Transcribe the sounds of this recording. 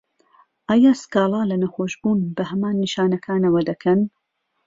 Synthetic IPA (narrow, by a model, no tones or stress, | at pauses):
ʔaːjaːskɑːlˠɑːlɐnɐxoːʃbuːnbɐɦɐmaːnːiʃaːnɐkʰaːnɐwɐd̪ɐkʰɐn